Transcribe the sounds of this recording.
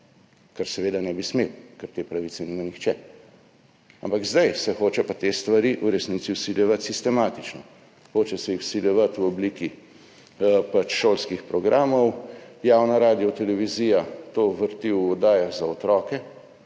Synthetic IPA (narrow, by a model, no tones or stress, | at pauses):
kaɾsɛʋeːd̪anɛbismewkɛɾt̪eːpɾaʋit̪sɛniːmanixt͡ʃɛ | a̰mpaɡzd̪ajsɛxoːt͡ʃɛpat̪est̪ʋaɾiʔuɾɛsniːt̪siwsilʲjɛʋat̪sist̪ɛmaːt̪it͡ʃnɔ | xoːt͡ʃɛsɛjixwsiljɛʋat̪wɔbliki | pat͡ʃʃoːlskixpɾɔɡɾaːmɔwjaːwnaɾaːd̪iɔt̪ɛlɛʋiziːjat̪oːʋəɾt̪iwɔd̪aːjaɣzaɔt̪ɾɔkɛ